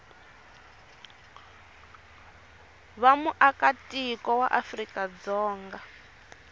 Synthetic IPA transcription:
βamuʔakatikɔwa̰ʔafrikad͡zɔːŋɡa

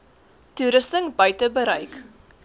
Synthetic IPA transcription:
tuɾəstəŋbəjtəbəɾɐjk

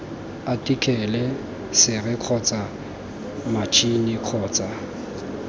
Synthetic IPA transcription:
atʼikʼʰɛlɛ | sɪrɪq͡χʰɔt͡sʼa | mat͡ʃʰʼinɪq͡χʰɔːt͡sʼa

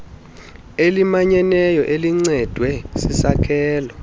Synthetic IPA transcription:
elimaɲɛnɛjɔʔeliŋ͡ǀɛd̥ʱwɛsisakʰɛːlɔ

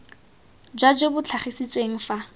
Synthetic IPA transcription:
d͡ʒwad͡ʒebʊt͡ɬʰaχisit͡sʼweŋ̩fa

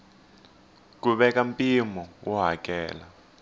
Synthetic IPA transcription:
k̬uɓɛkampʼimɔwɔɦak̬ʼɛːla

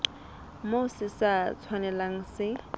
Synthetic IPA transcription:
moʊsisat͡sʰwanɛlaŋ̩sɪ

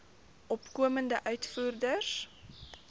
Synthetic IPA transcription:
ʔɔpkuəməndəʔœɥtfuːrdəs

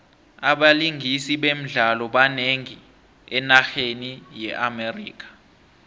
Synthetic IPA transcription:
aɓaliŋʱisiɓem̩ɮalɔɓaneŋi | ɛnaxenijɛʔamerḭːk̬ʰḁ

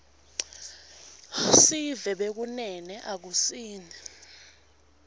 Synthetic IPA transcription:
sivɛɓek̬unɛnɛʔak̬usiːnʱɛ

